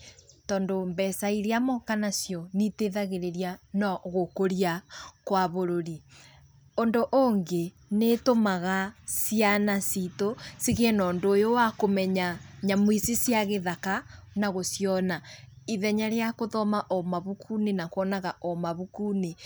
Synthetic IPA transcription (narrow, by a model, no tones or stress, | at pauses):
tɔːndombɛsaiɾeamɔkanasjɔniteðaɣeɾeɾjanɔɣokoɾiakwaβoɾoɾi | ondoʔoŋɡe | netomaɣasjanasitosiɣɛnɔːndoːjowakomɛɲaɲamwisisjaɣeðakanaɣosjɔna | iðɛɲaɾeakoðɔmaʔomaβukʰunenakoɔnaɣaʔomaβukune